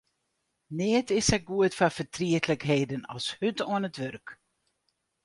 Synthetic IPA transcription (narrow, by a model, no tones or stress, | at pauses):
nɪətʰɪsɛɡuətfafətriətləkɦeːdənɑ̰lˠshytoənətʋørk